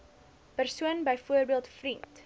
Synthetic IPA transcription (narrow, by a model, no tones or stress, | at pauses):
pərsuənbəjfuərbiəlˠtfrint